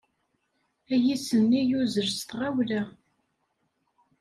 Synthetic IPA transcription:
æjisənːijuzəɾst̪ʁawlæ

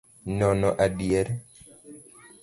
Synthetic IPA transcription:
nɔnɔʔadjeɾ

